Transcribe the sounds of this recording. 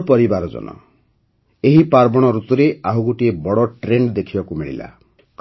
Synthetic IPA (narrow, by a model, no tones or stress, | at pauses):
pɔɾibaɾɔd͡ʒɔ̰nɔ̰ | eɦipaɾbɔɽ̃ɔɾut̪uɾeʔaɦuɡoʈiebɔɽɔʈɾeɳɖd̪ekʰibakumiɭḭla̰ | k